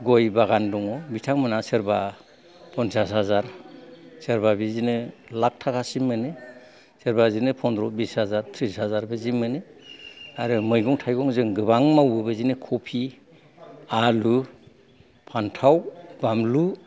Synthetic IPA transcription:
ɡɔjbaɡandɔŋɔbitʰaŋmɯnaseɾba | pʰɔnsasɦazaɾ | seɾbabizinɯlak̚tʰakʰasimːɯnɯ | seɾbazinɯpʰɔndɾɔbishazaɾtʰɾishazaɾbezimːɯnɯ | aɾɯmɯjɡɔŋtʰajɡɔŋzɯŋɡɯβaŋmawɯbɯzinɯkʰɔpʰi | alu | pʰantʰawbamlu

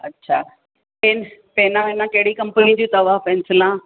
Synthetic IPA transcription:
ɐtːɕʰaː | enpeːnãɪnãkɐɦɪɽikɐ̃mpənĩd͡ʑĩt̪ɐʋaːfɛːnsɪlã

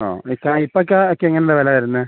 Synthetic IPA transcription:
o̰ːikːaːipːok̬ʲːaokːeːŋːɐnelɐʋɐlɐʋɐɾunːɨ

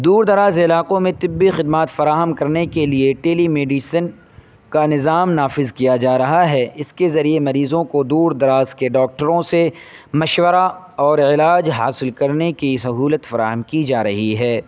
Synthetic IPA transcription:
d̪uːɾd̪ɐɾaːzɪlaːqõmẽt̪ɪbːixɪd̪maːt̪fɐɾaːɦəmkɐɾnekelieʈeːlimeːɖiːsən | kanɪzaːmnaːfɪzkijad͡ʒaːɾɐɦaɦɛɪskezɐɾiemɐɾiːzõkod̪uːɾd̪ɐɾaːzkeɖɔːk̚ʈəɾõsemɐʃwəɾa | ɔːɾɪlaːd͡ʒɦa̰ːsɪlkɐɾnekisɐɦuːlət̪fɐɾaːɦəmkid͡ʒaːɾɐɦiɦɛː

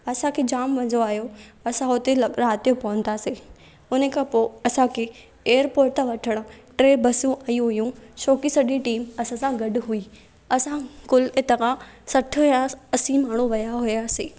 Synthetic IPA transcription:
ɐsãkʰed͡ʑaːmʋɐ̃ɲd͡ʑoaːɦjoɐsãɦot̪elɾaːt̪ijopɐʋə̃nd̪ase | ʊnəkʰãpoɐsãkʰe | eːəɾpoːɾt̪aʋɐʈʰəɽ̃ʊ̆ʈɾeːbɐsũaːijũɦʊjũʃoːkisɐɗiʈiːmɐsãsãɡɐɖʊɦui | ɐsãkʊlet̪ɐka | sɐʈʰʊ̆jãɐsĩmaːɳ̤̃uʋɐjaɦʊjaːseː

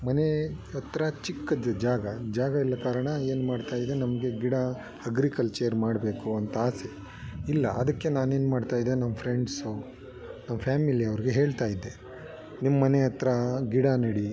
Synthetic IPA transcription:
mɐneɐt̪ːɾɐt͡ʃikːɐd͡ʒɐd͡ʒaːɡɐd͡ʒaːɡɐilːɐkaːɾɐɳɐe̞ːnmaːɖt̪aːjid̪enɐmɐɡe̞ɡiɽa | ɐɡɾikɐlt͡ʃeːɐɾmaːɽbe̞ːkuɐnt̪aːse | ilːɐ̰ʔɐd̪ɐkːe̞naːne̞ːnmaːɖt̪aːjid̪ːenɐmːɐpʰɾeɳɖs | nɐmːɐpʰjaːmiliɐʋɐɾiɡe̞ɦe̞ːɭt̪aːjid̪ːe | nimːɐːɐneɐt̪ːɾɐɡiɽanɐɽi

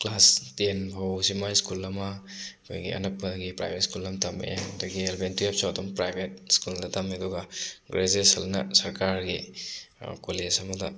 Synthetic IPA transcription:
klastenpʰawsimajskulɐmɐkʰo̰jɡḭɐ̰nɐpːɐɡipɾa̰jbʱet̚skulɐmtɐmḛjdɐɡielbentiap̚satɔmpɾajbʱet̚skuldɐtɐmeɐduɡɐɡɾezesɐlnɐ̰sɐɾkaɾɡḭ | kolesɐmɐdɐ

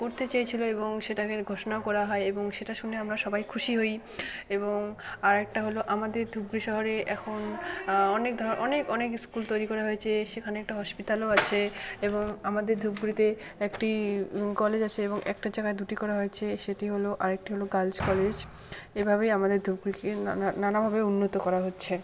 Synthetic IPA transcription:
koɾt̪et͡ɕajt͡ɕʰiloeboŋʃeʈakeɾɡʱoʃonaokɔɾaɦɔeeboŋʃeʈaʃuneamɾaʃɔbajkʰuʃiɦoj | eboŋaɾɛk̚ʈaɦoloʔamad̪eɾd̪ʱub̚ɡɾiʃɔɦoɾeʔɛkʰonɔnek̚d̪ʱɔʔɔnekɔnekskult̪ojɾikɔɾaɦoet͡ɕʰeʃekʰaneɛk̚ʈaɦɔʃpit̪aloat͡ɕʰeeboŋamad̪eɾd̪ʱub̚ɡuɾit̪e | ekʈikɔled͡ʑat͡ɕʰeeboŋʔɛ̰k̚ʈad͡ʑaɡaed̪uʈikɔɾaɦojet͡ɕʰeʃeʈiɦoloʔaɾek̚ʈiɦoloɡald͡ʑkɔled͡ʑ | ebʱabejamad̪eɾd̪ʱub̚ɡuɾikenanabʱabeunːot̪okɔɾaɦotːɕʰe

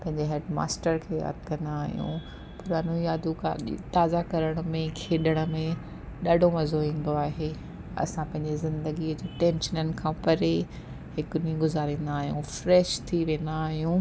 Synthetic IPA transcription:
pɐ̃ɦɪ̃ɲd͡ʑeɦeːɖma̰ːsʈəɾkʰeːja̰ːd̪ʱkɐ̃nd̪aːɦijṵ̃ | pʊɾaːnuijaːd̪uka̰t̪aːzakɐɾəɽ̃ə̆mẽkʰeːɗəɽ̃ə̆mẽ | ɗaɖʱomɐzoĩːn̆d̪oaːɦe | ɐ̰sãpɐ̃ɦɪ̃ɲd͡ʑezɪ̃nd̪əɡiəd͡ʑeːʈɛ̃ːnʃənənɪ̆kʰãːpɐɾe | ɦɪkʊniĩɡʊzaːɾĩːnd̪aːɦijṵ̃fɾɛːʃt̪ʰiʋẽːnd̪aːɦijũ

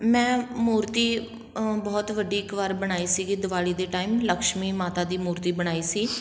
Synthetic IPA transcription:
mɛ̃ːmuːɾt̪iː | bɔːt̪ʋəɖiːɪkʋaɾbəɽ̃aːiːsiːɡiːd̪ʊʋaːliːd̪eːʈaːiːmləkʃmiːmaːt̪aːd̪iːmuːɾt̪iːbəɽ̃aːiːsiː

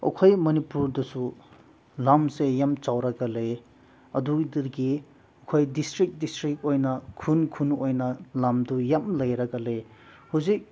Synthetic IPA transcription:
ɐ̰kʰojmɐnipuɾdɐsu | lamsejamt͡ʃawɾɐɡɐle | ɐdudiɾɡi | ɐkʰojdistɾik̚distɾik̚ojnɐkʰunkʰunojnɐlamdujamlɐjɾɐɡɐle | huzik̚

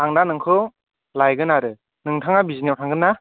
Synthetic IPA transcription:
aŋnanɯŋkʰɯ | lajɡɯnaɾɯ | nɯŋtʰaŋabizinijawtʰaŋɡɯnːa

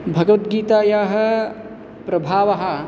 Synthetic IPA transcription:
bʱɐɡɐʋɐt̪ɡiːt̪aːjaːɦɐ̆ | pɾɐbʱaːʋɐɦɐ̆

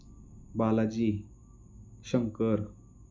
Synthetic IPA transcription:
balad͡ʑiː | ɕəŋkəɾ

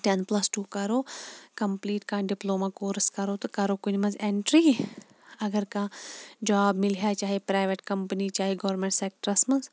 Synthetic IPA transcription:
ʈenplɐsʈuːkɐɾoːkɐmpliːʈkãːɖɪploːmaːkoːɾskɐɾot̪ɐkɐɾoːkʊnmɐ̃nzẽɳʈɾiː | ɐɡəɾkãːd͡ʒaːbmɪlɦjaːt͡ʃaːɦepɾaːɪʋeʈkɐmpənit͡ʃaːɦeɡɐʋɾmẽɳʈseːk̚ʈɾɐsmɐnz

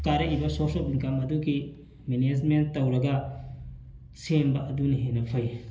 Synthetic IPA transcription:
kaɾɐibɐsosobinkamɐduɡi | mened͡ʒmentːɐwɾɐɡɐ | sembɐʔɐduniɦenɐpʰɐj

